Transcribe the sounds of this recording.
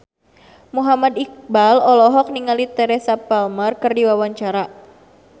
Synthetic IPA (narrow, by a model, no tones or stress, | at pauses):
muɦamad̪ik̚balɔlɔɦɔk̚niŋalit̪ɛɾɛsapalmarkɨrdiwawaɲt͡ʃaɾa